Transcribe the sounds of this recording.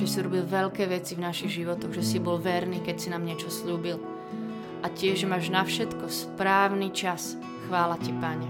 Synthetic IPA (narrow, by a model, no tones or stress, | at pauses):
ʒɛsiɾɔbilʋɛʎkɛːʋɛt͡sivnaʃiɣʒiʋɔt̪ɔɣʒɛsibɔlʋɛɾniːkɛcsinaːmɲɪɛt͡ʃɔsʎuːbil | ʔacɪɛʒmaːʒnafʃɛt̪kɔspɾaːʊnit͡ʃas | xʋaːlacipaɲɛ